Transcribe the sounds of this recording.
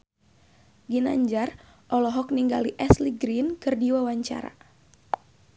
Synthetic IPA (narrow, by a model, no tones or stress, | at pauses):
ɡina̰ɲd͡ʒar | ʔɔlɔɦɔkniŋɡa̰liʔɛsliɡɾinkɨrdiwawaɲt͡ʃa̰ɾa̰